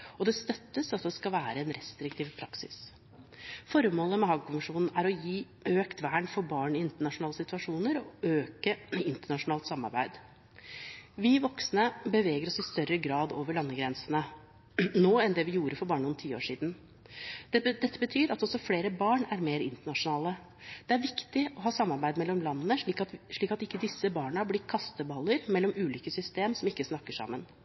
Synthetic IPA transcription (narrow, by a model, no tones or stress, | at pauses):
ɔd̪ɛst̪œt̪ːəsɑt̪̚d̪ɛskɑlʋæːɾəɛnɾɛst̪ɾɪk̚t̪ʰiːʋpʰɾɑksɪ̰s | fɔɾmoːləmɛɦɑːɡkʊməʂuːnn̩æɾɔjiː | øːkt̪ʰʋæːɳfɔɾbɑːɳɪɪnt̪əɳɑʂʊnɑːləsɪt̪ʉʋɑʂuːnəɾɔøːkəɪnt̪əɳɑʂʊnɑːlt̪sɑmːɑ̰ɾbæ̰ɪd̪ | ʋɪʋɔksnəbəʋeːɡəɾɔsɪst̪œɾəɡɾɑːd̪oːʋəɭɑnːəɡɾɛnsənə | noːɛnd̪ɛʋɪjuːɾəfɔɾbɑːɳɳnʊnt̪ʰiːo̰ːʂiːd̪n̩ | d̪̥ɛd̪ɛt̪ʰːəbət̪ʰyːɾɑt̪ɔsɔfleːɾəbɑːɳæɾmeːɾɪ̰nt̪əɳɑʂʊnɑːlə | d̪̥ɛæɾʋɪkt̪ɪɔɦɑːsɑmːɑɾbæɪd̪mɛlːɔmlɑnːnək̪ʂɭiːkɑt̪ɪkːəd̪ɪsːəbɑːɳəəblɪkʰɑst̪əbɑlːəɾmɛlːɔmʉːliːkəsʏst̪eːmsɔmɪkːəsnɑkːəʂɑ̰mːən